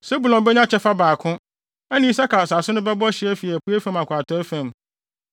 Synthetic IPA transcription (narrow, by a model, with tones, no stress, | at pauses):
se˦bu˨lɔ̃˨mbɛ˦ɲ˦ã˦t͡ɕʰɛ˦fa˦baː˨kʰʊ̃˦ | ɛ˦nɪ̃˦i˦s̬a˦kʰa˨sa˨sʊ˦nʊ̃˦bɛ˦bɔ˦ɕɪ˨˦ɛ˦fi˨ɛ˨pu˦e˦fæ̃˦ma˨kʷʰa˨tʰɔ˦æ˦fæ̃˨m